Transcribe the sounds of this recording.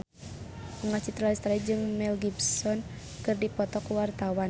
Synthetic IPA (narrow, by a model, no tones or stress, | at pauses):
ŋat͡ʃit̪ɾalist̪ɾaid͡ʒɨŋmɛlɡibsɔn | kɨrdipɔt̪ɔkuwart̪awan